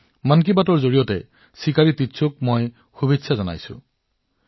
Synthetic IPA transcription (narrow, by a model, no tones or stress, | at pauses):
mankibatɔɹzoɹijɔtɛ̰ | sikaɹititːsʰuk̚moj | xubetsʰazɔna̰jsʊ̰̃